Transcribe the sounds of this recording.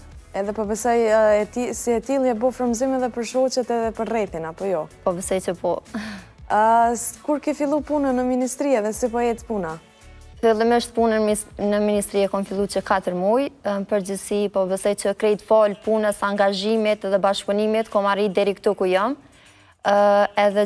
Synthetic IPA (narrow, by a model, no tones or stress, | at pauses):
ɛðɛpɔbəsɔjɛt̪isiɛt̪ilˠjɛbɔfɾəmzimɛðɛpəɾʃɔt͡ɕɛt̪ɛðɛpəɾrɛθinapɔjɔpɔbəsɔjt͡ɕəpɔ | kuɾkifilˠupunənəminist̪ɾiɛðɛsipɔɛt̪puna | filˠimiʃt̪̚punənnəminist̪ɾiɛkɔnfilˠut͡ɕəkat̪əɾmujpəɾd͡ʑəsipɔbəsɛjt͡ɕəkɾɛjt̪fɔlpunəsaŋɡaʒimit̪ɛðɛbaʃkpunimit̪kɔmaɾid̪ɛɾikt̪ukujɔm | ɛðɛ